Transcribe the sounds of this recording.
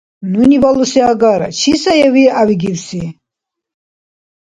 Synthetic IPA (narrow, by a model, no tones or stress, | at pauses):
nunibalusiaɡaɾa̰t͡ʃʰisajɛviaviɡiwsi